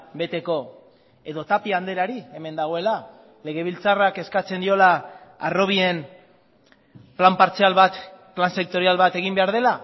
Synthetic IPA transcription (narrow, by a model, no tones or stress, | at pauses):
be̞t̪e̞ko̞ | e̞ðo̞t̪apiand̪e̞ɾaɾie̞me̞nd̪aɣ̞o̞ela | le̞ɣ̞e̞β̞ilt͡sarake̞skat͡se̞nd̪io̞laːro̞β̞ie̞n | plampaɾt͡sealβat̪planse̞k̚t̪o̞ɾialβat̪e̞ɣimbe̞aɾð̞e̞la